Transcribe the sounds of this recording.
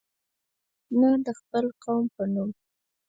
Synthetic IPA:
nad̪əxpəlqawmpənum

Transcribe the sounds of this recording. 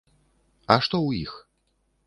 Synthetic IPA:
ɐʂt̪ɔwjix

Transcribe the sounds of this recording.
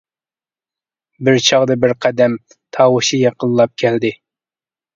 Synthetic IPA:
bɪɾt͡ʃʰɑʁd̪ɨbɪɾqʰæd̪ɛm | t̪ʰɑːwɨʃijɑqʰəlˠːɑp̚kʲʰɛld̪ɪ

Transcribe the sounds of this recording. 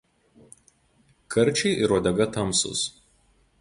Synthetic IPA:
kʰɐɾʲˑt͡ʃʲɛɪʔɪɾoːd̪ʲɛɡɐt̪ɐmˑsʊ̰s

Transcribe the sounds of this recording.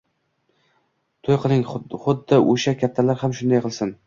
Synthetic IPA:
t̪ʰojqʰɨlˠɪŋχʊd̪ːaʔoʃakʲʰat̪ʰːalaɾhamʃʊnd̪ajqʰɨlˠsɪn

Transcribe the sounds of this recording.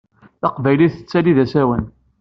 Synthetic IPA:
θɑqvæjliθə̥t͡sːæliðæsæwən

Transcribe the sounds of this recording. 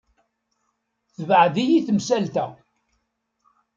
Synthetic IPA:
θəvʕðijiθəmsælt̪æ

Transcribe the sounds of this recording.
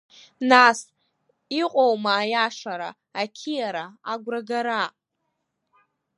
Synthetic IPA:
nas | iqʷʼowmaːjaʂaɾa̰ː | kʲʰijaɾaaɡʷraɡaɾa

